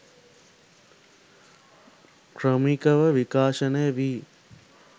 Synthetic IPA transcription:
kɾɐmikɐʋɐʋikaːʃɐneːʋiː

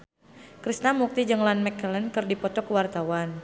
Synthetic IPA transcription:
kɾisnamuk̚t̪id͡ʒɨŋlanmɛkːələnkərdipɔt̪ɔkəwart̪awan

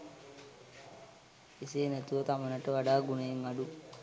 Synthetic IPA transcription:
iseːnæt̪uʋət̪amənaʈəʋaɖaːɡunejeŋaɖu

